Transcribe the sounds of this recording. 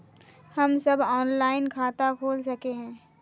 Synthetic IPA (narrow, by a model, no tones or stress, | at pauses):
hɐmsɐbɔːnlaːɪnkʰaːt̪akʰoːlsɐkeɦɛ̃ː